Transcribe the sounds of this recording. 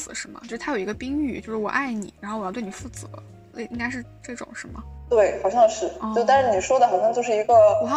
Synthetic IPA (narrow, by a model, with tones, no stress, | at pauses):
sɹ̩˨˩˦ʂɻ̩˥˩mɐ̰˩t͡ɕjʂ̩ʰ˥˩a˥jo˩i˧˥ɡə˧pi˥ŋy˥˩t͡ɕjo˥˧ʊʂɻ̩˥˩wɔ̰˩ʔa˥˩ɪnḭ˨˩˦ɻa˧˥xo˥˩wjtw̬nʲi˨˩fu˥˩t͡sɹɤ̰˧˦˥ | le˥˩i˥ŋka˥ɪʂ̬ɻ̩˥˧ʈ͡ʂɤ˥˩ʈ͡ʂʊ̰˨˩˦ŋʂɻ̩˥˩mɐ̰˩t̪we˥˩ɪxɑ˨˩ʊɕjɑ˥˧ʂɻ̩˥˩˥t̪ʂɻ̩˥˩ni˨˩ʂwɔ˥d̪ə˨˩xɑ˨˩ʊɕjɑ˥˧ŋt͡ɕjo˥˧ʊʂɻ̩˥˩i˧˥ɡə˧wɔ˨˩ɑ˥